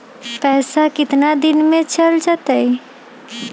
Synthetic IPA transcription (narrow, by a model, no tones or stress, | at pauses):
pɛɦsakɪt̪nad̪inmet͡ʃəld͡ʒət̪əj